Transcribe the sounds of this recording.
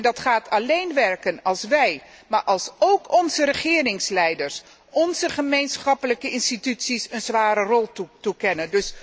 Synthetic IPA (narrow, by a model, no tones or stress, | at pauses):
ndɑtχaːtʰɑlejnʋɛɹkənɑlˠsʋɛj | maːɹʔɑlˠsowkɔnzəɾəχɪːrɪŋslɛjdəɹs | ʔɔnzəχəmejnsχɑpələkəɪnstitytsisənzʋaːɾərɔlˠtutukɛnəndɵs